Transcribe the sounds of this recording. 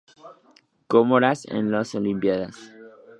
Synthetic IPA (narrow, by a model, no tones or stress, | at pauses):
komoɾasḛ̃nlosolimpjaðas